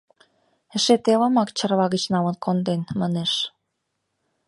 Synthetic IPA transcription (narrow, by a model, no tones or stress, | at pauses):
ɘ̆ʃet̪elɤ̆mɑkt͡ɕə̆rβɑɣə̆t͡ɕnɑmɤ̆nkʰond̪enmɑneʃ